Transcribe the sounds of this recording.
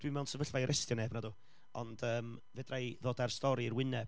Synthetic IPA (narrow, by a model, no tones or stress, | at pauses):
d̥wimɛwnsəvəɬvajɾɛstjɔneːbnaduː | ɔ̰nd̥əːmvɛdrajðoːdarstɔɾiːrwɪnɛb̥